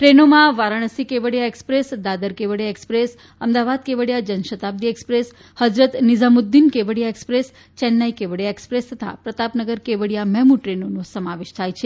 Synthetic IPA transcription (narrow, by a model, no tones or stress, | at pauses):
ʈɾenomãʋaɾaɽ̃əsikeʋəɽijaekspɾesd̪ad̪əɾkeʋəɽjaekspɾes | əmd̪aʋad̪̚keʋəɽjad͡ʒənʃət̪ab̚d̪iekspɾes | həd͡ʒɾət̪nid͡ʒamud̪ːinkeʋəɽijaekspɾes | t͡ʃɛnːaikeʋəɽjaekspɾest̪ʰət̪ʰa̰pɾət̪apnəɡəɾkeʋəɽjamɛmuʈɾenonõsəmaʋeʃt̪ʰajt͡ʃʰe